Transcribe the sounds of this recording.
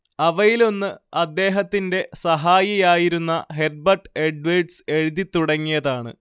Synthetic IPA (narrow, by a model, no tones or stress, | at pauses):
ɐʋɐjilo̞nːɨɐd̪ːe̞ːɦɐt̪ːinde̞sɐɦaːjɐjaːjiɾunːɐɦe̞r̚bɐrʈːe̞ɖʋeɖse̞ɻiðit̪ːuɽɐŋːijɐðaːɳɨ̰